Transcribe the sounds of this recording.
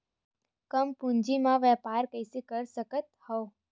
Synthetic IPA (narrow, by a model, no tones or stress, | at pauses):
kəmpũɲd͡ʒimãʋɛpaɾkəjsikəɾsəkət̪hɔ